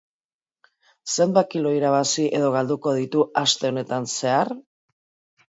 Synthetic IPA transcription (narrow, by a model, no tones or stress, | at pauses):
sembakilo̞iɾaβ̞asiʔe̞ðo̞ɣ̞ald̪uko̞ð̞it̪uʔast̪e̞o̞ne̞t̪anse̞aɾ